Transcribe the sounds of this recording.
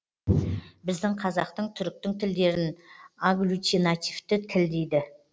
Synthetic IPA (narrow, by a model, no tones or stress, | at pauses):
bɪzd̪ɪŋqʰɑzɑqt̪əɴt̪ʰʏɾk̚t̪ɪŋt̪ʰɪld̪e̞ɾɪnaɡlʲˠut̪ʲinat̪ʲift̪ɪt̪ʰɪld̪ejd̪ɪ